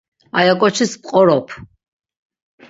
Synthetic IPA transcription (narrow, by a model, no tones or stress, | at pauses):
ajakʼɔt͡ʃʰispʼqʼɔɾɔpʰ